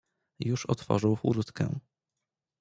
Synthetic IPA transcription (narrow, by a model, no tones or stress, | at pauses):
juʂɔ̰t̪fɔ̰ʐɘwxuɾt̪kɛ̰̃